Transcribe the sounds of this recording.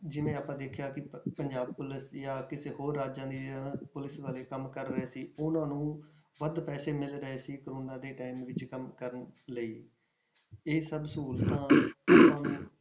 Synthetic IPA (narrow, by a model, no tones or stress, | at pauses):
d͡ʒɪʋẽːaːpãːd̪eːkʰjaːkɪpəɲd͡ʒaːb̚pʊlɪsjaːkɪseːɦoːɾːaːd͡ʒãːd̪iːpʊlɪsʋaːleːkəmkəɾːəeːsiːʊnãːnũːʋəd̪pɛːseːmɪlɾəeːsiːkəɾoːnaːd̪eːʈaːimʋɪt͡ʃkəmkəɾənləiː | eːsəbsuːlt̪ãːʊnãː